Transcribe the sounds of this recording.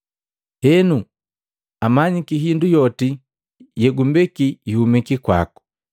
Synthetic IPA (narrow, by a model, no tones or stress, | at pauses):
hɛnu | amaɲikiɦindujɔti | jɛɡumbɛkiːhumikikwa̰ku̥